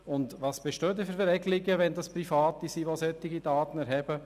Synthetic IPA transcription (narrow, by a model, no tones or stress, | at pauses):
ʊndʋɑːsb̥eʃtøːd̪ɪfəɾvɾɛɡliɡəʋɛnd̪ɑspɾifɑːt̪isiʋosœt̪ːɪɡid̥ɑːt̪ən̩ɛɾɦɛb̥ə